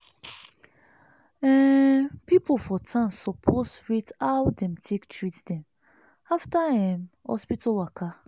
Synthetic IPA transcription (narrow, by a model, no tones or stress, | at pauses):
ɛpipofɔtʰãnsɔpʰosɹitawdɛ̃mtʰektɹitdɛ̃m | aftahĩmɔ̰spitɔwaka